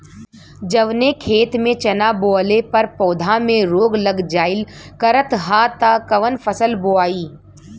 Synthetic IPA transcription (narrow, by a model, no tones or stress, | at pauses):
d͡ʒɐʋnekʰeːt̪mẽt͡ʃɐnaːboːəlepɐɾpɔːd̪ʱamẽɾoːɡlɐɡd͡ʒaːɪlkɐɾət̪ɦaːt̪akɐʋənfʰəsəlboaːiː